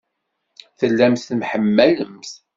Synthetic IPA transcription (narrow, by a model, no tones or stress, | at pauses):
θəlːæmθmħəmːæləmθ